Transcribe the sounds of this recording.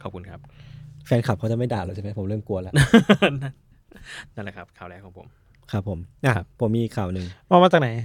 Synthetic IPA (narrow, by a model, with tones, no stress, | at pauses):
kʰɔː˨˩p̚kʰu˧nkʰa˦˥p̚fɛː˧nkʰa˨˩kʰa˦˥wt͡ɕa˨˩ma˥˩jdaː˨˩lːoː˧˩sʰa˧˩mʰɛ˧˥˩pʰo˨˩˦mɾɯː˥˩mku˧əla˧ʔna˥˩ | na˥˩la˧˩kʰa˦˥p̚kʰaː˨˩wlɛː˦˥wkɔː˨˦pʰo˩˦m | kʰa˦˥pʰːo˩˦mʔa˧˦pʰːo˨˩˦miː˧i˨˩kʰːaː˨˩wnɯ˨˩ŋɔː˧maː˧t͡ɕaː˨˩kna˨˦j